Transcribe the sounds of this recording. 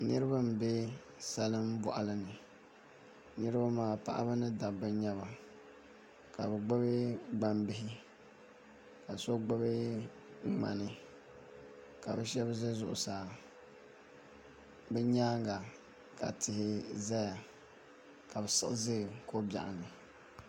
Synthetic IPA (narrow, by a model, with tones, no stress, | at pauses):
nɨ˦ɾɨ˦ba˦m̩˨be˦ | sa˦lɨ˦m˦bɔ˨ʔa̰˨lɨ˦nɨ˨ | nɨ˦ɾɨ˦ba˦maː˦˨pa̰˦ʔa̰˦bɨ˦nɨ˦da˨bɛ˦ɲɛ˦βa˨ | ka˨bɛ˨ɡ͡ba˦be˦ɡ͡ba˦mbɪ˦hɪ˦ | ka˨so˦ɡ͡bo˦be˦ | ŋ͡ma̰˨nɨ˦ | ka˨bɛ˦ʃɛ˦bzɛ˦zʊ˦˨ʔʊ̰˨saː˨ | bɛ˦ɲaː˦ŋ˦ɡa˨ | ka̰˨tɪ˨hɪ˨za˦ja˨ | ka˨bɛ˨sɨ̰˦ʔzɨ˦ɡɨ˨ko˦ba̰˨ʔa̰˨nɨ˨